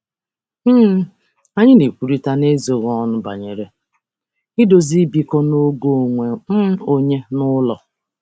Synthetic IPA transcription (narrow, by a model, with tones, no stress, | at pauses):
m̩˦ | a˦ɲɪ˦ne˨kʷu˨ɾi˦ta˦ne˦zo˨ɣɔ˦nʊ˦ba̰˨ɲe˨ɾe˨ | ɪ˦do˨zi˦bi˦kɔ˦no˦ɡo˦˨ŋʷe˨m̩˦o˦ɲe˦nʊ˦lɔ̰˨